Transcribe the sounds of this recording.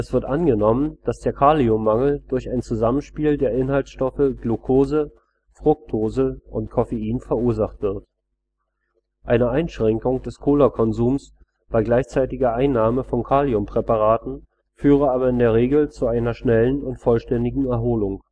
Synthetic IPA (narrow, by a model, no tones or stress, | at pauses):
ʔɛsv̥ɪɐtʔanɡənɔmənd̥asd̥eːɐkʰaːliʊmːaŋl̩d̥ʊɐçaɪnt͡suzamənʃpiːldeːɐʔɪnhaltsʃtɔfəɡlokʰoːzə | fʁ̥ʊk̚tʰoːzəʊntkʰɔfeiːnfɛɐʔuːɐzaχtv̥ɪɐt | ʔaɪnəʔaɪnʃʁ̥ɛŋkʊŋd̥ɛskʰoːlakʰɔnzuːms | b̥aɪɡlaɪçt͡saɪtɪɡɐʔaɪnːaːməfɔnkʰaːliʊmpʁ̥ɛpaʁ̞aːtn̩ | fyːʁ̞əaːbɐɪndeːɐʁ̞eːɡl̩t͡suaɪnɐʃnɛlənʊntfɔlʃtɛndɪɡŋ̩ɛɐɦoːlʊŋ